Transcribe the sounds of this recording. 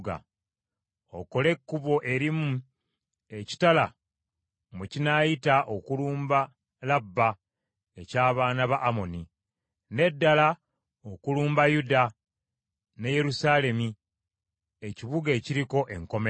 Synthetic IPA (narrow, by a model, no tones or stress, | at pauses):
ɡa̰ | o̰ko̞le̞kːuβo̞ʔe̞ɾimu | e̞ci̥tala | mucinajitaʔo̞kuluːmba | labːa | e̞caːβaːnaβaʔːmo̞ni | ne̞dːala | okuluːmbajuda | ne̞je̞ɾusaːle̞mi | eciβuɡe̞ːciɾiko̞ʔe̞ŋko̞me